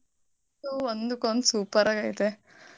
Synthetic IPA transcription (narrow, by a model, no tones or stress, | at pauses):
suond̪ukond̪usuːpɐɾaːɡajit̪e